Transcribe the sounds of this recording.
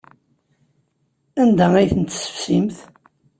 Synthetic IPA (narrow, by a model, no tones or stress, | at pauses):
ænd̪ææjθənt̪ːsə̥fsimθ